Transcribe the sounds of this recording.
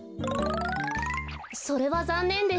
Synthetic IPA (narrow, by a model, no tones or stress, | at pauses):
so̞ɾe̞βazãnːẽ̞nd̪e̞